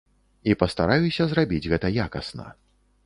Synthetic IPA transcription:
ipɐst̪aɾajusʲɐzrabʲid͡zʲɣɛt̪ɐjakɐsnɐ̰

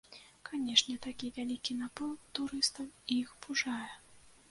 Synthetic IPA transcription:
kanʲɛʂnʲɛt̪akʲivʲalʲikʲinapɔwt̪uɾɨst̪ɐwiixbuʐajɛ

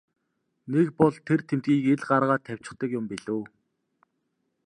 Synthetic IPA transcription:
nekpɔɮt̪ʰert̪ʰemt̪ɡiːkeɮɢaɾʁaːt̪ʰːæw̥ʲt͡ɕɪ̥̆χt̪ə̆kjʊmpiɮuː

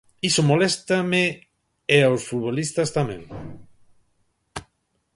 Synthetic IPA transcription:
isomolest̪amɪ | eawsfut̪βolist̪ɐst̪amɛ̰̃ŋ

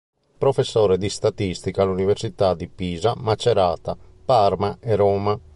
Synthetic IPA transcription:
pɾofesːɔːɾɛd̪ist̪at̪ist̪ikaluniveɾsit̪ad̪ipiːzamat͡ʃːɛɾaːt̪a | parmaɛɾɔːma

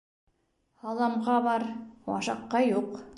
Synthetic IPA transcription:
hɑlˠɑmʁɑβɑɾwɑ̰ʃɑqːɑjuq

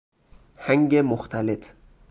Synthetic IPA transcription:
hæŋɡemʊxt̪ʰalet̪ʰ

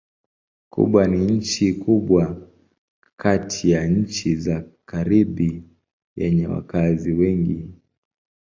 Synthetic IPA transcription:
kʰṵɓwaniɲ̩t͡ʃikuɓwa | kʰatʰijaɲ̩t͡ʃizakaɾiɓi | jɛ̰ɲɛwa̰kaziwɛŋɡi

